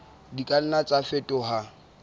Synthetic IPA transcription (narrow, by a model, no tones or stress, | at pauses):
dikʼan̩nat͡sʼafɛtʼɔɦa